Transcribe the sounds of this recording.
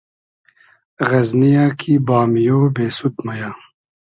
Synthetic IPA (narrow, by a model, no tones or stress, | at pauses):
ɣɐznijaːkʰiːbaːmijoːbeːsut̪mɐjaː